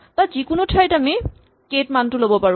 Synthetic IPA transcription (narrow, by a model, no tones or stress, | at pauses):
tazikʊnʊtʰajtami | ketmantʊlobɔpaɹu